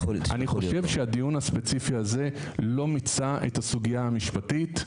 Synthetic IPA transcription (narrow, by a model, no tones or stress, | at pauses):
a̰niχoʃe̞vʃeadijunhaspet͡sifiaze̞lo̞mit͡saʔetasuɡijaamiʃpatit